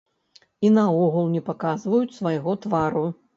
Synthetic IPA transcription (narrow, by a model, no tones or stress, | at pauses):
inɐɔɣulˠnʲɛpakazvɐjut͡sʲsvajɣɔt̪vaɾu